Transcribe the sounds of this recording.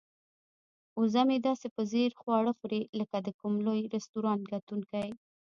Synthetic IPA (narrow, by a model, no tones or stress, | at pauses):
uzamed̪ɑsepəzeɾxwɑɽəxuɾeləkad̪əkʊmlojɾɛst̪uɾɑnt̪ɡat̪uŋkaj